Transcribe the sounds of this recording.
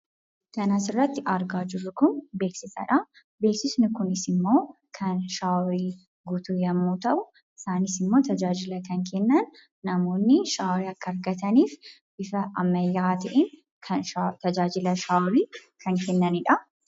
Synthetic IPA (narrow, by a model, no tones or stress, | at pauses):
k̪ɐnasɪrːɐt̪ːɪʔɐɾɡaːd͡ʒɪrːʊkʊnbe̞ːksɪsɐ̰ᶑɐ | be̞ːksɪsnʊkʊnɪsɪmːo̞ː | kʰɐnʃaːwɾiː | ɡʊt̪uːjɐmːuːt̪ɐʔʊ | ʔɪsaːnɪsɪmːo̞ːt̪ɐd͡ʒaːd͡ʒɪlɐkɐŋkɛnːɐnː | ɐmo̞ːnːɪʃaːwɾiːɐkːɐːɾɡɐt̪ɐniːf | ʔɪfɐʔɐmːɐjːaːt̪ɐʔɛn | kʰɐnʃat̪ɐd͡ʒaːd͡ʒɪlɐʃaːɾiːkʰɐŋkɛnːɐnɪᶑɐ